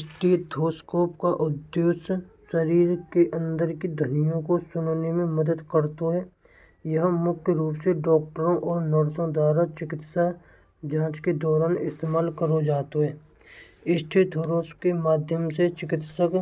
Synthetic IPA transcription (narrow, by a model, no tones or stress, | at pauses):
sʈit̪ʰoːskoːpkaʔʊd̪joːssəɾiːɾkeʔə̃nd̪əɾkid̪ʱənijõkosʊnnemẽməd̪əd̪kəɾt̪oɦɛː | jəɦmʊkʰjɾuːpseɖɔːkʈəɾõʔɔːɾnəɾsõd̪waːɾat͡ʃɪkɪt̪sa | d͡ʒãːt͡ʃked̪ɔːɾaːnɪst̪eːmaːlkəɾod͡ʒaːt̪oɦɛː | ɪsʈit̪ʰoːɾoːskemaːd̪ʱjəmset͡ʃɪkɪt̪sək